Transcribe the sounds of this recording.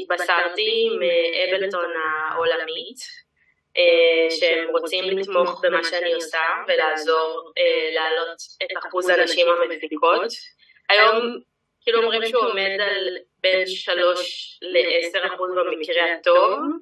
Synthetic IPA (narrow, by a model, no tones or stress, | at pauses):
it̚basaltimeʔebelto̞naʔolamit | ʔeʃeemʁo̞t͡simlit̪mo̞χbemaʃeaniosave̞laːzo̞ʁelaːlo̞tetaχuzanaʃimhameffikʰo̞t | ajo̞m | kiːluomʁimʃeuome̞dalbenʃalo̞ʃleʔese̞ʁaχuzbemikʁeato̞v